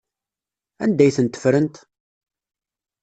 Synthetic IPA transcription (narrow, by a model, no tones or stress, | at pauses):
ænd̪æjθənt̪ːə̥fɾənt̪